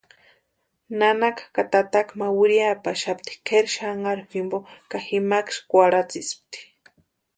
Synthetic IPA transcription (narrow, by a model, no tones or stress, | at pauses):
nanakakat̪at̪akmawiɾjapaʃapt̪i̥kʰeɾʃaŋaɾximbokaximakʃkʷaɾat͡sisp̚t̪i̥